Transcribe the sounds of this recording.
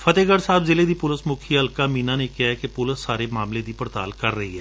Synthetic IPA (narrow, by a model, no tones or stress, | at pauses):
fʰət̪eːɡəɾsaːbzɪleːd̪iːpʊləsmʊkʰiəlkaːmiːnaːnekɪɦaɛkepʊləsːaːɾeːmaːmleːd̪iːpəɾt̪a̰ːlkəɾːəɦḭːɦɛː